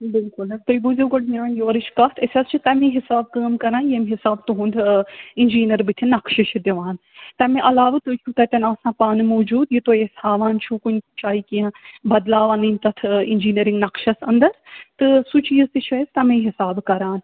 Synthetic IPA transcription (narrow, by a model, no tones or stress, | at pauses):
bɪlkʊlɐt̪ɐibuzeɡɐɽmiaːnjoːɾɨt͡ʃʰkɐt̪ʰɐsʲɐst͡ʃʰit̪ɐmĩɦɪsaːb̚kəːmkɐɾãːnjemɦɪsaːbt̪uɦũnd̪inʲd͡ʒiːnɐɾbɨt̪ʰinɐkʃɐʃd̪eʋaːn | t̪ɐmẽʔɐlaːʋɨt̪ut͡ʃʰut̪ɐt̪ʲɐnaːsãːpaːnɨmoːd͡ʒuːd̪jit̪oːjeshaːʋaːnt͡ʃʰũːkunʲt͡ʃaːikiɐ̃bɐd̪laːʋɐninʲt̪ɐt̪ʰind͡ʒiːniɾiŋɡnɐkʃɐsɐ̃nd̪ɐɾt̪ɨsut͡ʃiːzt̪ɨt͡ʃʰɐzt̪ɐmẽɦɪsaːbkɐɾaːn